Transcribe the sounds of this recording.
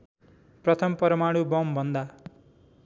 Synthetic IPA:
prʌt̪ʰʌmpʌɾʌmaɽubʌmbʱʌnd̪a

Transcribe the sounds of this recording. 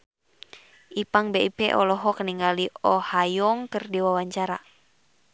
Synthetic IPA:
ʔipaŋbeipɛ̰ʔɔlɔɦɔkəniŋɡaliɔhajɔŋkɨrdiwawaɲt͡ʃaɾa̰

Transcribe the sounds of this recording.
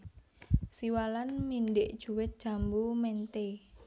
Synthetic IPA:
siwalanminɖɪʔd̥ʒ̥ṳwɪt̪̚d̥ʒ̥a̤mbumɛnt̪e

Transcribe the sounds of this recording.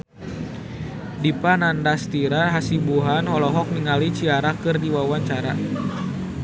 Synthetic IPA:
dipanandast̪iɾaɦasibuɦanhɔlɔɦɔk̚niŋalit͡ʃiaɾakɨrdiwawaɲt͡ʃaɾa

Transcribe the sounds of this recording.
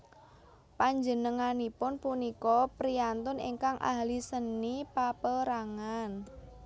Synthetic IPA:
paɲd͡ʒənəŋanipʊnpunikɔpɾiant̪ʊnḭŋkaŋʔa̰ɦlisənːipapəɾaŋan

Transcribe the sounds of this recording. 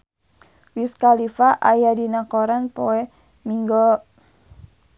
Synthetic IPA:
wiskalifaʔajadinakoɾanpoɛ | miŋɡɔ

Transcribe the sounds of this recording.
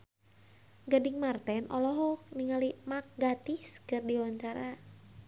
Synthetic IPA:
ɡadiŋmart̪ɛnʔɔlɔɦɔniŋalimak̚ɡat̪iskɨrdiwaɲt͡ʃaɾa

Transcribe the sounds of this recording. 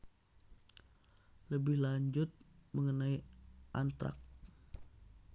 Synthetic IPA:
ləbɪhlaɲd͡ʒʊt̪̚məŋənaiʔant̪ɾa̰k̚t̪

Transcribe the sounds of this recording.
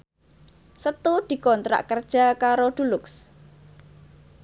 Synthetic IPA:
sət̪ud̪̥i̤kɔnt̪ɾa̰ʔkərd̥ʒ̥a̤kaɾoɖ̪̥ulʊks

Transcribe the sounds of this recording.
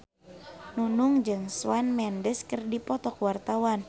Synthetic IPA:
nunuŋd͡ʒɨŋswanmɛndəskɨrdipɔt̪ɔkwart̪awan

